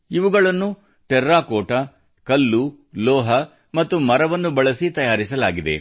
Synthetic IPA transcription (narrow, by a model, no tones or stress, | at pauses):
iʋuɡɐɭɐnːu | ʈɛɾːaːkoːʈɐ | kɐlːu | lɔːɦɐ | mɐt̪ːumɐɾɐʋɐnːubɐɭɐsit̪ɐjaːɾisɐlaːɡid̪e̞̰